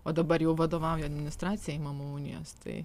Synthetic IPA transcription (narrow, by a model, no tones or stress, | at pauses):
oːd̪ɐbɐɾjɛʊʋɐd̪oːʋɐʊjɛɐd̪ʲmʲɪnʲɪst̪ɾɑːt̪t͡s̪ʲɪjɛɪmɐmuuːnʲɪ̰jo̰ːst̪ɐ̰ɪ